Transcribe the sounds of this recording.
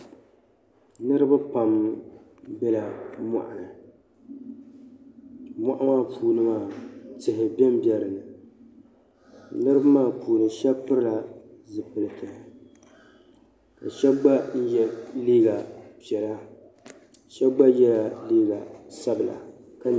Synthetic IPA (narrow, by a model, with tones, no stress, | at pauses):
nɨ˦ɾɨ˦ba˦pa˨m | bɛ˦la˨ma̰˨ʔa˨nɨ˨ | ma̰˦ʔa˦maː˦pʰuː˦nɨ˦maː˦˨tɪ˨ɦɪ˨bɛ˦m˦bjɛ˦ɾɨ˨nɨ˨ | nɨ˦ɾɨ˦ba˦maː˦˨puː˨nɨ˨ʃɛ˦pɨ˦ɾɨ˦la˨zɨ˨pɨ˨lɨ˨tʰɨ˨hɪ˨ | ka̰˨ʃɛ˦bɡ͡ba˦n̩˦jɛ˦liː˦ɡa˨pi˨ɛ˨la˦ | ʃɛ˦bɡ͡ba˦jɛ˦la˨liː˦ɡa˨sa˦bɨ˨la̰˨ | ka˨